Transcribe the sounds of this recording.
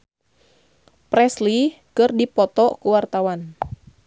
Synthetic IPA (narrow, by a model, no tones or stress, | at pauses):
pɾɛsli | kɨrdipɔt̪ɔkuwart̪awan